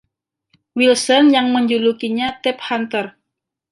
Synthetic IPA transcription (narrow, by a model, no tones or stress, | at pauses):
wilsɔnjaŋməɲd͡ʒulukiɲat̪ɛp̚hant̪ər